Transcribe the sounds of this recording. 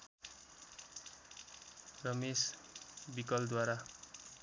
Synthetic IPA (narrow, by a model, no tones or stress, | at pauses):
rʌmesbikʌld̪waɾa